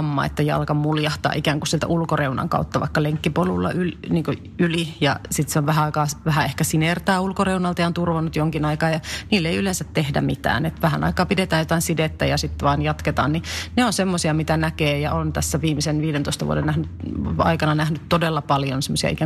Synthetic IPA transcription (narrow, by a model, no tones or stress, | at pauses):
mːɑ̰ːḛt̪ːæjɑ̰lkɑmmuljɑht̪ɑ̰ʔikæːŋkusielt̪æ̰ʔulkoreunɑ̰ŋkɑ̰ut̪ːɑʋɑ̰ikːɑleŋkːipolulːɑ̰ylniːŋko | ylijɑsit̪seoʋʋæɦæɑikɑːʋæhæehkæsinert̪æːulkoreunɑlt̪ɑjɑont̪urʋɑnːut̪joŋkinɑikɑːjɑniːlːeiylensæt̪tehdæ̰mit̪æ̰ːnet̪ʋæhænɑ̰ikɑːpidet̪æːjot̪ɑinsidet̪ːæjɑsit̪ːʋɑːnjɑt̪ket̪ɑ̰ːnnineonsemːosiɑmit̪ænækeːjɑont̪æsːæʋiːmisenʋiːdent̪oˑist̪ɑʋṵdennæhnytɑ̰ikɑnɑnæhnyt̪todelːɑpɑljonsemːosiɑ̰ḭkæ